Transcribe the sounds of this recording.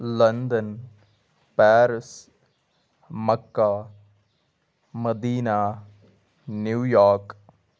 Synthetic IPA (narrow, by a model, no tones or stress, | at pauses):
lənd̪ən | pɛːɾəs | məkːa | məd̪iːnaː | njuːjaːɾk